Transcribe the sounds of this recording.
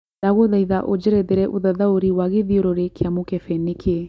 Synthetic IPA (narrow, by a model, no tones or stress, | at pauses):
daɣoðaiðaʔod͡ʒeɾɛðeɾɛʔoðaðaoɾiwaɣeðioɾoɾekʰeamokɛfɛnekʰe